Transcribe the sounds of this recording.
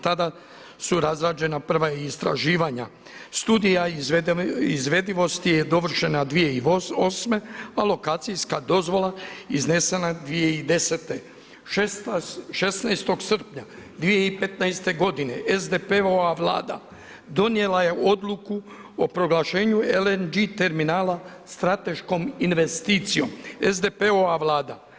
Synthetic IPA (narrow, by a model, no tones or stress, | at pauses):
t̪ad̪a | suɾazɾaːd͡ʒe̞napr̩ʋajeist̪ɾa̰ʒiːʋaɲa | st̪uːd̪ija | izʋe̞d̪iʋo̞st̪ije̞d̪o̞ʋr̩ʃe̞nad̪ʋije̞ioosme̞alo̞kaːt̪sijskad̪o̞zʋo̞lˠaizne̞se̞nad̪ʋije̞id̪e̞set̪e | ʃesnajst̪o̞ɡsr̩pɲad̪ʋije̞ipe̞t̪najst̪e̞ɡo̞d̪ine̞ʔezd̪epeoaʋla̰ːd̪a̰ | d̪o̞nie̞laje̞ʔo̞d̪luku | opɾo̞ɡlaʃe̞ːɲuelend͡ʒit̪e̞ɾminaːla | st̪ɾat̪e̞ʃko̞minʋe̞st̪iːt̪sijo̞̰mezd̪e̞peoaʋlaːd̪a